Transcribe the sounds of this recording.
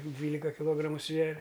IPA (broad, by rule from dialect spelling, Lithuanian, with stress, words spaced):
ˈdʲʋʲiːlʲɪkɐ kʲɪˈlˠoːɡrɐmʊ ˈsʲʋʲæːrʲɛ